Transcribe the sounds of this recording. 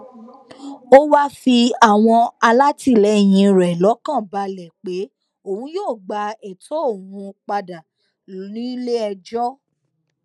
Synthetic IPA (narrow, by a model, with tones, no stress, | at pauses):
o˦wa˦fi˧a˦˨w̃ɔ̃˧a˧la˦ti˦˨lɛ˨˦˨j̃ĩ˧˦ɾɛ˨lɔ˨˦kã˦˨ba˧˦lɛ˨k͡pe˨˦ | o˦˨hũ˦joː˦˨ɡ͡ba˧ɛ˨tʰɔ˨˦o˦˨wũ˧k͡pa˧da˨ | nĩ˨˦le˦ɛ˧d͡ʒɔ˦